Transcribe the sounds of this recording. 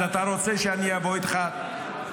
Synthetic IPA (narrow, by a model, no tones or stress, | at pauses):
at̪aɾo̞t͡seʃeaniavoit̪χa